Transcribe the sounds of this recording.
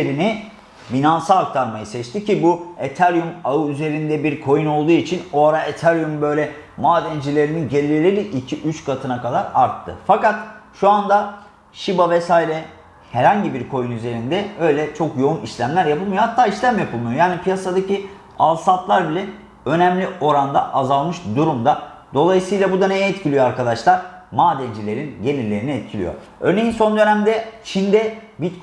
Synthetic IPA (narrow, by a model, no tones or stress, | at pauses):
eɾini | binansalˠak̚t̪ʰaɾmajɯsɛt͡ʃt̪ʰicibuet̪ʰæɾjumaɯyze̞ɾind̪ɛbiɾkʰo̞juno̞lˠd̪uːit͡ʃʰinoaɾaʔet̪ʰæɾjymbø̞jlʲɛ | maːd̪ɛnd͡ʒilʲe̞ɾininɟe̞lʲiiɾilʲiʔicʰiʔyt͡ʃkʰat̪ʰɯnakad̪aɾa̰ɾt̪ʰːɯ̰fakat̪ʃuand̪a | ʃibavɛsaːiɾɛ | hɛɾhaɲɟibiɾkʰo̞junyze̞ɾind̪ɛø̞jlʲɛt͡ʃʰo̞kjo̞uniʃlʲæmlʲæɾjapʰɯlˠmijohat̪ʰːaːiʃlʲæmjapʰɯlˠmujo̞jaːnipʰijasad̪aci | alˠsat̪lˠaɾbilʲɛ | ø̞nɛmlʲiʔo̞ɾand̪a̰ʔazalˠmɯʃd̪uɾumd̪ad̪o̞lˠajɯsɯjlˠabud̪anejɛɛt̪cʰilʲijo̞aɾkad̪aʃlˠaɾ̥maːd̪ɛnd͡ʒilʲe̞ɾinɟe̞nilʲe̞ɾiniɛt̪̚cʰilʲḭjo̰ | ø̰ɾnejinso̞nd̪ø̞næmd̪ɛt͡ʃʰind̪ɛbit̪k